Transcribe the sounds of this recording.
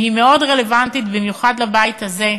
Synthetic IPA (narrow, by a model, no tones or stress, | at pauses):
hime̞o̞dʁelevant̪it̪bimjuχadlabajit̪haze̞